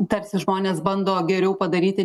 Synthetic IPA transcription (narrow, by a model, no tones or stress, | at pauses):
t̪ɐɾʲsʲɪʒmoːnʲeːsbɐnd̪oːɡʲɛɾʲɛʊpɐd̪ɐɾʲiːt̪ʲɪ